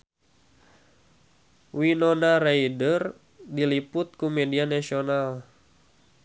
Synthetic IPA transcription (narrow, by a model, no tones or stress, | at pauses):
winonaɾaidər | dilipʊt̪̚kumɛdianasional